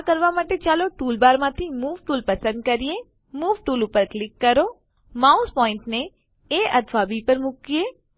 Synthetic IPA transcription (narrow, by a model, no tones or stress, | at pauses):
kəɾʋamaːʈet͡ʃaːloʈuːlbaːɾmãt̪ʰimuːʋʈuːlpɐsə̃nd̪̚kəɾije | muːʋʈuːlʊpəɾklɪkːəɾo | mauspɔːɪ̃ɳʈne | eːɐt̪ʰʋabipəɾmʊkijeː